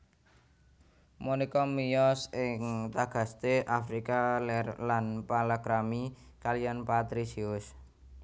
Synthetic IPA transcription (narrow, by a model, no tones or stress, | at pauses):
monekɔmijɔsɪŋt̪aɡ̥a̤st̪eʔafɾikalɛrlanpalaɡɾamikalijanpat̪ɾisiʊs